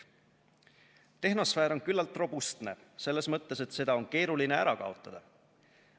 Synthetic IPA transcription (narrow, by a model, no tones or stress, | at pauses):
t̪e̞ɦno̞sfæːɾo̞nkylːɑlt̪ːˑro̞bust̪ne̞̰se̞lːe̞smɤt̪ːe̞se̞t̪se̞d̪̥ɑo̞nke̞ːɾulineæɾɑkɑ̰o̞t̪ˑːɑd̪̥ɑ